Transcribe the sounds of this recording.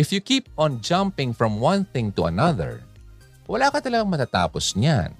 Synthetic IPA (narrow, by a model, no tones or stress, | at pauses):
ʔɪfjukiːp̚ɔ̃nd͡ʒãmpɪ̃ŋfɹɔ̃mwɐ̃nθɪ̃ŋt̪uɐ̰nɐðɛ̰ɹ | wɐlaːkɐt̪ɐlɐɡaŋmɐt̪aːt̪a̰ːposɲan